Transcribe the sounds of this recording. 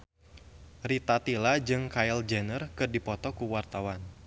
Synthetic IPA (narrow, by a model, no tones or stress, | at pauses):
rit̪at̪ilad͡ʒɨŋkajld͡ʒɛnərkɨrdipɔt̪ɔkuwart̪awan